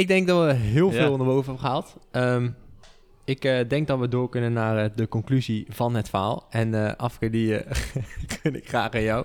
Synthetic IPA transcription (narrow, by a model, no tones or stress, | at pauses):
ɪɡ̚dɛŋɡ̚dɑtʋəɦɪːlˠvɪːlˠnaːbowvəɦɛbəχəalˠtəm | ɪkədɛŋɡ̚dɑtʋədʊːɹkɵnənːaːrədəkɔŋklyziv̥ɑnɦətfəɹa̰ːlˠɛnəʔɑfəkɪːɹdi | kʰənɪ̰kχra̰ːχanjaw